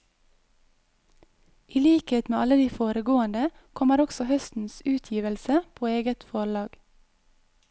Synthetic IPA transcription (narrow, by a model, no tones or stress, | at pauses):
ʔiliːkeːt̪meːɑləd̪iːfoːɾəɡoːənd̪ə | kʰɔməɾɔɡ̥sɔhœst̪n̩sʉːt̪ʰjiːʋəlsəpʰoːeːɡət̪fɔɭɑːɡ